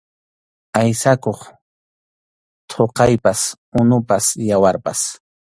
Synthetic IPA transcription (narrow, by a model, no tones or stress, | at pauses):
ajsakoχ | t̪ʰoqɑjpas | ʊnʊpasjawaɾpa̰s